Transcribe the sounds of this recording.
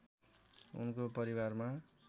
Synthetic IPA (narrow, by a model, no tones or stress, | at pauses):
ṵnkopʌɾiwarma